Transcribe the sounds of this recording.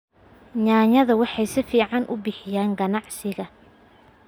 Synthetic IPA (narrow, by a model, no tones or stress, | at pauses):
ɲaːɲɐðɐwɑħɑjsɪfiːʕɑnʔʊ̰bɪħɪjaːŋɡɐnɑʕsɪɣɐ